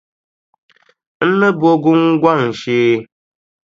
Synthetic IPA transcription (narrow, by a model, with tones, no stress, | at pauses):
n̩˦lə˦bo˦ɡu˦ŋ̩˦ɡwa˦˨ŋn̩˨ʃeː˨